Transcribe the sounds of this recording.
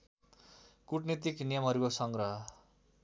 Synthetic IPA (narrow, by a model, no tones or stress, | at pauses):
kuʈnit̪iknijʌmɦʌɾukosʌŋɡɾʌɦʌ